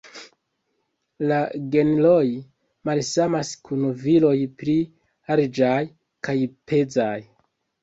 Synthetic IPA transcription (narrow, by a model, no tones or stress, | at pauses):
laɡe̞nloj | malsamaskunvilo̞jpɾi | ald͡ʒaj | kajpʰe̞d͡zaj